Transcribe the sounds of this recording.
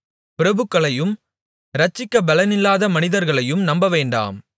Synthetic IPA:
pɪɾɐbɯkːɐɭɐjɯm | ɾɐt͡ʃːɪkːɐbɐlɐnɪlːaːðɐmɐnɪðɐɾɣɐɭɐjɯmnɐmbɐʋeːɳɖa̰ːm

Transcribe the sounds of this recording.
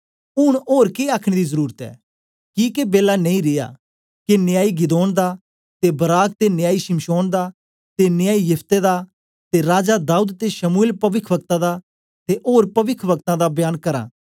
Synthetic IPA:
ʊɽ̃oːɾkeaːkʰɽ̃ed̪izəɾuːɾət̪ɛ̰ː | kikebeːlanɐ̃ĩɾɪja̰ː | kenɪjaːiɡɪd̪oːnd̪a | t̪ebɐɾaːk̚t̪enɪjaːiʃɪmʃoːnd̪aː | t̪enɪjaːijɐpʰt̪ed̪a | t̪eɾaːd͡ʒad̪aːuːd̪t̪eʃɐmuelpɐʋɪkʰʋək̚t̪ãd̪a | t̪eʔoːɾpɐʋɪkʰʋɐkt̪ãd̪abjaːnkɐɾã̰ː

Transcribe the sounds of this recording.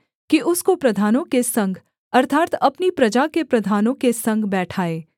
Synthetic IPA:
kiʔʊskopɾɐd̪ʱaːnõkesɐ̃ŋɡʱ | ɐɾt̪ʰaːt̪ɐpnipɾɐd͡ʒakepɾɐd̪ʱaːnõkesɐ̃ŋɡbɛːʈʰaːeː

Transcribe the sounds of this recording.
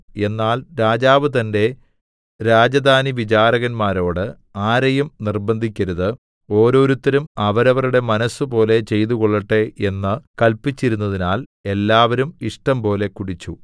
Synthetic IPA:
e̞nːaːlɾaːd͡ʑaːʋɨt̪ɐnde̞ | ɾaːd͡ʑɐd̪ʱaːniʋit͡ɕaːɾɐɣɐnmaːɾo̞ːɽɨ | aːɾɐjumnirbɐnd̪ʱikʲːɐɾɐðɨ | o̞ːɾo̞ːɾut̪ːɐɾumɐʋɐɾɐʋɐruɽe̞mɐnɐsːɨpo̞ːle̞t͡ɕe̞jt̪̬uɣoɭːɐʈːeʔenːɨkɐlpːit͡ɕːiɾunːɐðinaːle̞lːaːʋɐɾumiʂʈɐmpo̞ːle̞kuɽit͡ɕːu

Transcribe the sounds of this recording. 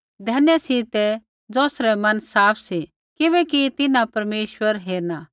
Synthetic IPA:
d̪ʱɛːnjɛsit̪ɛ | d͡zoːsɾɛmɐ̃nsaːpʰsi | kɪβɛkit̪ɪnãpɐɾmeːʃwəɾɦeːɾnaː

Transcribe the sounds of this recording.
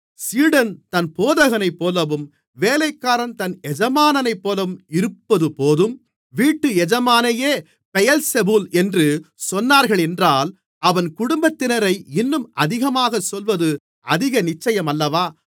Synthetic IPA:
siːɽɐnt̪ɐnpoːðɐɣɐnɐɪpːoːlɐʋɯm | ʋeːlɐɪkːaːɾɐnt̪ɐnɛd͡ʒɐmaːnɐnɐɪpːoːlɐʋɯmɪɾɯpːɐðɯpoːðɯm | ʋiːʈːɯɛd͡ʒɐmaːnɐjeː | pɛjɐlsɛbɯlɛndrɯsɔnːaːɾɣɐɭɛndraːl | ɐʋɐnkʊɽʊmbɐt̪ːɪnɐɾɐɪɪnːɯmɐðɪɣɐmaːɣɐsɔlʋɐðɯ | ʔɐ̰ðɪɣɐnɪt͡ʃːɐjɐmɐlːɐʋaː

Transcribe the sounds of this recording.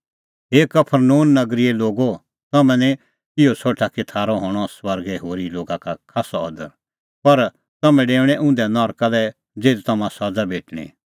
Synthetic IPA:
ɦeːkːɐpʰəɾnoːnːɐɡɾieloːɡo | t̪ɐmɛ̃nɛ | ɪosoːʈʰakɪt̪ʰaːɾɔɦɔːɽ̃ɔswɐɾɡɛɦoːɾiloːɡakakʰaːsaɔ̰d̪ə̰ɾ | pɐɾ | t̪ɐmɛ̃ɖeːʊɽ̃ɛ̃ʔʊ̃nd̪ɛnɔːɾkalɛ | d͡zeːlit̪ɐmãsɐd͡zabeːʈʰɽ̃ḭ̃

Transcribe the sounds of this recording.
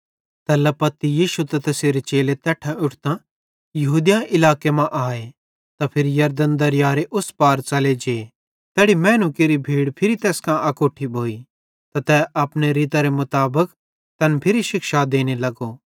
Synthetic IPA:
t̪ɛːlɐpɐt̪ːijiːʃut̪ɐt̪ɛseɾet͡ʃeːlet̪ɛːʈʰãʊʈʰt̪ã | jɐɦuːd̪jãɪlaːkemãʔaːe | t̪apʰɪɾijɐɾd̪ənd̪ɐɾjaːɾeʔʊspaːɾt͡ʃɐled͡ʒeː | t̪ɛːɽimɛ̃ːnũkeɾibʱiːɽpʰɪɾit̪eːskãʔɐkoːʈʰːibʱoːi | t̪at̪ɛʔɐpɽeɾiːt̪aɾemʊt̪aːbək | t̪ɐnpʰɪɾiʃɪkʃad̪eːñelɐɡo

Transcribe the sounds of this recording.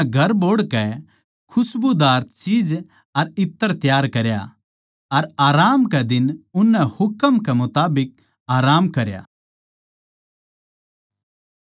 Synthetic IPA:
ɡʱɐɾboːɽkɛ | kʰʊsbud̪aːɾt̪t͡ʃiːd͡ʒ | ɐɾɪt̪ːəɾt̪jaːɾkɐɾja̰ | ɐɾaːɾaːmkɛd̪ɪnʊnːɛ̃hʊkəmkɛmʊt̪aːbɪk̚ | aːɾaːmkɐɾja̰

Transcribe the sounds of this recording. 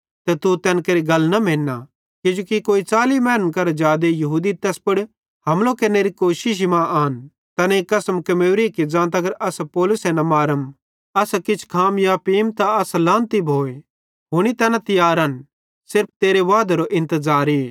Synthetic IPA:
t̪ɛt̪ut̪ɛːnkeːɾiɡɐlːnɐmẽːnːa | kɪd͡ʒuːkikoːit͡saːlimɛːnəmkɐɾd͡ʒaːd̪ejɐɦuːd̪it̪ɛːspɐɽ | ɦɐmlokeneːɾikoːʃɪʃ̬imãʔaːn | t̪ɐnekɐsəmkɐmeːɾikid͡ʒãːt̪ɐɡəɾʔɐspɔːlʊsɛnɐmaːɾəm | ɐskɪt͡ʃʰkʰaːmjapiːmt̪aɐslãːnt̪ibʱoːe | ɦoːñit̪ɛːnat̪ɪjaːɾaːn | sɪɾpʰt̪eːɾeʋaːd̪aɾoʔɪ̃nt̪əzaːɾiː

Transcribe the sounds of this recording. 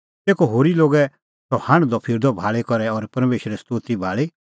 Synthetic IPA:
t̪eːkɔɦoːɾiloːɡɛ | sɔhɐ̃ɽ̃d̪ɔpʰɪɾd̪ɔbʱaːɭɛkɔɾɛɔɾpɐɾmeːʃɾɛst̪oːt̪ibʱaːɭi

